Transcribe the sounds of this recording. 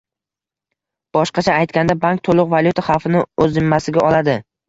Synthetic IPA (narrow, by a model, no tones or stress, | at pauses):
b̥ɒʃqɑt͡ʃʰaːjt̪̚kʲand̪abaŋk̚t̪ʰolˠʊqvalʲˠjut̪ʰaχɑwfɪnɪɵzːɪmːasɪɡʲaʔɒlad̪ɪ